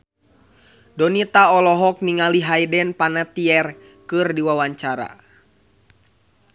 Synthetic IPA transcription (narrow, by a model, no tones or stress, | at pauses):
dɔnit̪aɔlɔɦɔk̚niŋaliɦajdɛnpanat̪iɛr | kɨrdiwawaɲt͡ʃaɾa̰